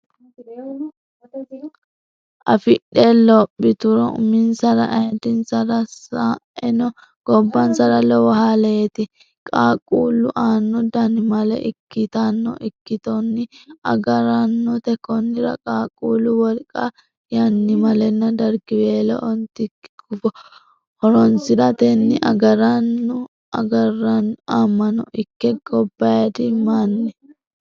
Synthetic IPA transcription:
ʔɐfɪɗelɔpʼːɪt̪ʊɾɔʊ̰mɪnsɐɾɐ̰ʔɐt̪ɪnsɐɾɐsaɛnɔ | ɡ̥ɔbːɐnsɐɾɐlɔwɐhaːlɛjɛt̪ɪ | kʼaːkʼuːlʊʔaːnːɔd̪ɐnɪmɐlɛ̰ʔɪkːɪt̪anːɔ̰ʔɪkːɪt̪ɔnːɪɐ̰ɡɐɾɐnːɔt̪ɛkɔnːɪɾɐ̰kʼaːkʼuːlʊwɔlkʼa | jɐnːɪmɐlɛnːɐd̪ɐɾɡɪbeːlɛ̰ʔɔnt̪ɪ̥ɡʊfɔ | hɔɾɔnsɪɾɐt̪ɛnːɪʔɐ̰ɡɐɾɐnːʊ | ɐɡɐrɐnaːmːɐnɔ̰ʔɪkːɛɡɔbːɐjɐd̪ɪmaːnːɛ

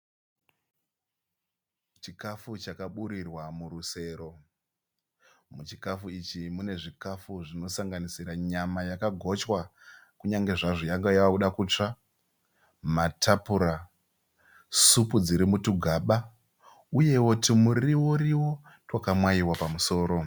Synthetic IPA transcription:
t͡ʃikafut͡ʃakaɓuɾirwamuɾuse̞ːɾo̞ | mut͡ʃikafuit͡ʃimune̞ʐikafuʐino̞saŋɡanisiɾaɲamajakaɡʱo̞t͡ʃwakuɲaŋɡe̞ʐaʐojaŋɡajauɗakut͡ʂa | matʰapuɾa | supud͡ziɾimutuɡʱaɓa | uje̞wo̞timuriwoɾiwo̞ | twakamwaiwapamuso̞ːɾo̞

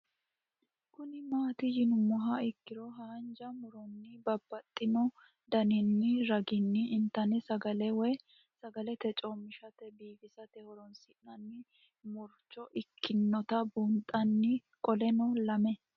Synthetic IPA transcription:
kʊnɪmaːt̪ɪjɪnʊmɔɦɐɪkːɪɾɔɦaːnd͡ʒɐmɔɾɔnːɪbɐbːɐt̪ʼːɪnɔ | d̪ɐnɪnːɪɾɐɡɪnːɪʔːnt̪ɐnɪsɐɡɐlɛwɛ | sɐɡɐlɛt̪ɛt͡ʃʼɔmɪʃɐt̪ɛbiːfɪsɐt̪ɛhɔɾɔnsɪʔɐnːɪ | mɔɾt͡ʃːɔʔɪkʰːɪnːɔt̪ɐbʊnt̪ʼːɐnːɪkʼɔlɛnɔlɐmɛ

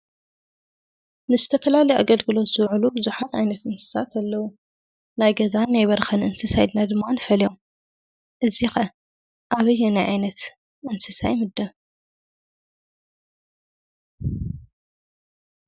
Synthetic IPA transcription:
nɨzɨt̪ʰɐfɐlalɐjʔa̰ɡɐlɡɨlo̞t̪z̥ɨwʕulubɨzuħat̪ʕa̰jnɐt̪ɨnsɨ̥sat̪ɐlːɐwu | najɡɐzanːajβɐɾxɐnʔɨnsɨsajd̪nad̪ɨmːanɨfɐljom | ʔɨzixɐ | ʔaβɐjːɛnajʕa̰jnɐt̪ | ʔɨnsɨsa̰jmɨd̪ːɐ

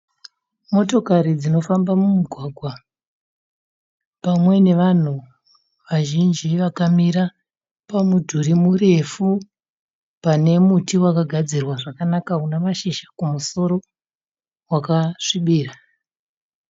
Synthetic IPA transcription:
mo̞to̞kaɾid͡zino̞fambamumuɡʱwaɡʱwa | pamwe̞ne̞ʋan̤u | ʋaʒind͡ʒiʋakamiɾa | pamudʱuɾimure̞fu | pane̞mutiwakaɡʱad͡zirwaʐakanakaunamaʃiʃḁkumuso̞ɾo̞ | wakaʂiɓiːra

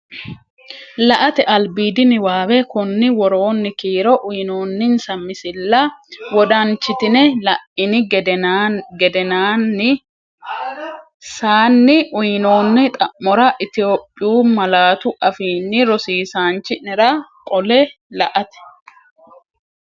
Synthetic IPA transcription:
lɐʔɐt̪ɛʔɐlbiːd̪ɪnɪwaːwɛkʊnːɪwɔɾo̞ːnːɪkiːɾɔʔʊjno̞ːnːɪnsɐmːɪsɪlːɐwɔd̪ɐnt͡ʃːɪt̪ɪnɛlɐʔɪnɪɡ | ɡɛd̪ɛnaːnːɪ | saːnːɪʔʊjɪno̞ːnːɪt̪ʼɐmːɔɾɐʔɪt̪ɪjo̞ːpʼːɪjuːmɐlaːt̪ʊʔɐfiːnːɪɾɔsiːsaːnt͡ʃːɪnɛɾɐkʼɔlɛ | lɐʔɐt̪ɛ̥

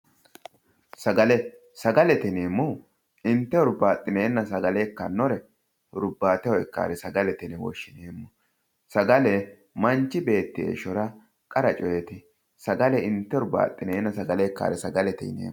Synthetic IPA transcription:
sɐɡɐlɛ | sɐɡɐlɛt̪ɛneːmːʊ | ɪnt̪ːɛɔɾbaːt̪ʼːɪneːnːɐsɐɡɐlekːɐnːɔɾɛ | ɾʊbːaːt̪ɛwɔɛkːa̰ːɾɛsɐɡɐlɛt̪ɛnɛwɔ̰ʃːɪneːmːʊ | sɐɡɐlɛ | mɐnt͡ʃːɪbe̞ːt̪ːɪḛːʃɔɾɐ | kʼɐɾɐt͡ʃʼɔjɛt̪ɪ | sɐɡɐlɛɪnt̪ːɛɔɾba̰ːt̪ʼːɪneːnːɐsɐɡɐleːkːa̰ːɾɛsɐɡɐlɛt̪ɛ̰nḛː

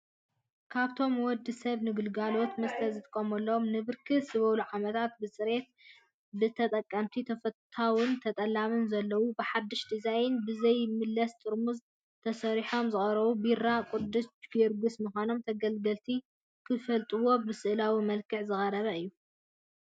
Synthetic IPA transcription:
kʰaβt̪ʰo̞mwɔd̪ɨsɐβnɨɡɨlɡalo̞t̪mɐst̪ʰɐzɨt̪ʼɨkʼːɐmɐlːɐomnɨβɨɾkʰɨsɨβɐluʕamɐt̪ʰat̪bɨsʼɨɾe̞t̪̚ | bɨt̪ʰɐt̪ʼɐkʼːɐmt̪ʰit̪ʰɐfɐt̪ʰːawɨnt̪ʰɐt̪ʼɐlːamɨnzɐlːɐwubɨħad̪ːɨʃd̪izajɪnbɨzɐjmɨlːɐst̪ʼɨɾmuz | t̪ʰɐsɐɾiħo̞mzɨχʼɐɾɐβubiɾakʷʼud̪ɨsɡɛɾɡusmɨxʷano̞mt̪ʰɐɡɐlɡɐlt̪ʰi | kʰɨfɐlt̪ʼɨwo̞bɨsɨʔlawimɐlkʰɨʕzɨxʼɐɾɐβɐɨjːu

